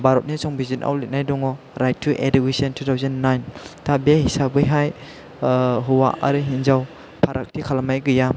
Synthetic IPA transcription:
baɾɔt̚nisɔŋbizinʔa̰wlet̚najdɔŋɔ | ɾajt̚ʰːuʔedikisɔntʰutʰawzanːajntʰabehisabɯjɦaj | ɦuwa̰ʔa̰ɾɯɦinzaw | pʰaɾʔak̚tʰikʰalamajɡɯja

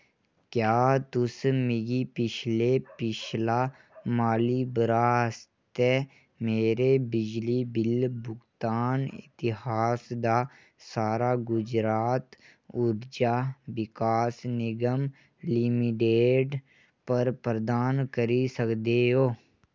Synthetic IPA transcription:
kjaːt̪ʊsmɪɡipɪt͡ʃʰlepɪt͡ʃʰla | maːlibɾaːst̪ɛ | meːɾebɪd͡ʒlibɪlbʊɡt̪aːnɪ̰t̪ɪɦaːsd̪a | saːɾaɡʊd͡ʒɾaːt̪ | ʊɾd͡ʒaːʋɪkaːsnɪɡəm | lɪmɪʈeːɖ | pəɾpɾəd̪aːnkəɾisəkd̪eɦoː

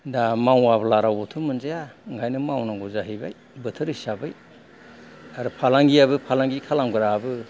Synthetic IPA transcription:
damawablaɾawɔtʰumɯnzejaɯŋɡʰʱajnɯmawnaŋɡuzaɦijbaj | bɯtʰɯɾisabɯj | aɾupʰalaŋɡijabɯpʰalaŋɡikʰalamɡɯɾabɯ

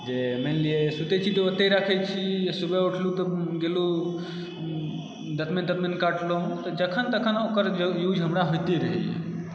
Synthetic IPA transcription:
d͡ʒemenliesut̪et͡ʃʰit̪oot̪eɾaːkʰet͡ʃʰisubeʊʈʰlut̪ɐɡelu | d̪ɐt̪mend̪ɐt̪menkaːʈlot̪ɐd͡ʒɐkʰənt̪ɐkʰənoːkəɾjuːd͡ʒʱɦəmɾaɦojt̪iɾɐɦḭ

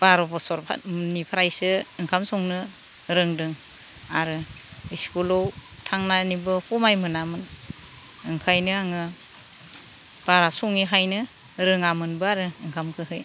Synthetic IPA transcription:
b̥aɾɔbʰɔsɔɾpʰa̰nipʰaɾajsɯɯŋkʰamsɔŋnɯ | ɾɯŋdɯŋ | aɾɯiskulɔw | tʰaŋnanibɯhumajmɯnamɯn | ɯŋkʰajnɯaŋɯ | b̥aɾasuŋiɦajnɯ | ɾɯŋamɯnbɯaɾɯɯŋkʰamkʰɯɦɯj

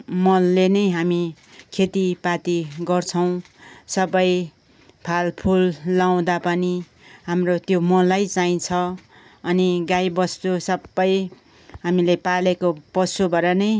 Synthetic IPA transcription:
mʌlːenʌjɦami | kʰet̪ipat̪iɡʌrt͡sʰʌw̃ | sʌbʌj | pʰalpʰulːaw̃d̪apʌni | ɦamrot̪jomʌlːajt͡saĩt͡sʰʌ | ʌniɡajbʌst̪usʌbːʌj | ɦamilepalekopʌsubʱʌɾʌnʌj

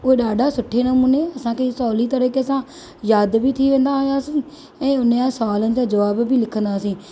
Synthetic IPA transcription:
oːeːɗaːɖaːsʊʈʰːeːnəmũːneːəsãːkesɔːliːt̪əɾəkeəsãː | jaːd̪biːt̪ʰiːʋẽːnd̪aːɦoːjaːsĩː | ɛ̃ːʊnẽãːsaːlənd͡ʒaːd͡ʒəʋaːbbʱiːlɪkʰənd̪aːsĩː

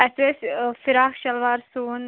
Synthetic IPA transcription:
ɛsesfiɾaːxʃɐlʋaːɾsuːn

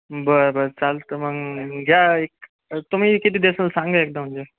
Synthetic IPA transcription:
bəɾbəɾt͡salt̪əməɡɡʱjaek̚ | t̪um̤iːkit̪̬iːd̪esnəlsãŋɡaek̚d̪am̤əɲd͡ʑe

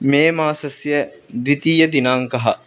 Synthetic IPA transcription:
meːmaːsɐsjə | d̪ʋit̪iːjəd̪inaŋkɐɦɐ

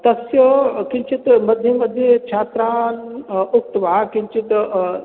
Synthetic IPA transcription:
t̪ɐsjəkiɲt͡ʃit̪mɐd̪ʱjemɐd̪ʱːjet͡ʃʰaːt̪ɾaːnuk̚t̪ʋakint͡ʃit̪

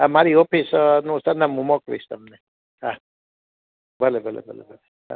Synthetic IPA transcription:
amaɾiopʰisnũsənamumɔkʋḭst̪əmne | ɦa | bəlebʱəlḛbə̰lḛbʱəle | ɦa̰

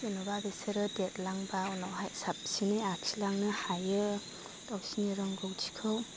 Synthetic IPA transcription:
enɔbabisɯɾɯdet̚laŋbawnɔɦajsap̚sinɯjakʰilaŋnɯhajɯ | dɔwsiniɾɔŋɡɔwtʰi̥kʰɯw

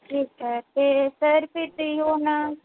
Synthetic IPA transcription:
ʈʰiːkɛːt̪eːsəɾpʰɪɾt̪oiːɦoːnaː

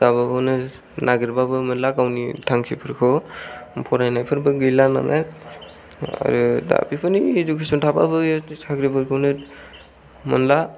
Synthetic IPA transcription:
dabɯkɔnɯ | naɡiɾbabɯmɯnlakawnitʰaŋkʰipʰɯɾkʰɔ | pʰɔɾajnajpʰɯɾbɯɡɯjlana̰na | a̰ɾɯda̰pipʰɯnizukʰisɔntʰaba̰bɯjsaɡɾipʰɯɾkʰɯwnɯt̚ | mɯ̰nla

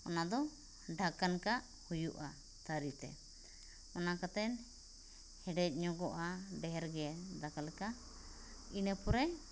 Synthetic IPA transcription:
ɔnad̪ɔ | ɖʱakankaʔ | hujuʔa | t̪aɾit̪ɛ̰ | ɔnakat̪ɛn | hɛɖɛc̚ˀɲɔɡɔʔaɖɛɦɛɾɡɛɛd̪akalɛka | inəpɔɾɛ

